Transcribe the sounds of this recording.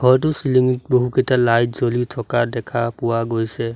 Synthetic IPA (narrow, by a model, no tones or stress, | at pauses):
ɡʱɔɹt̬ʊsiliŋit̚boɦuketalajtzolitʰɔkadɛkʰapʊwaɡojsɛ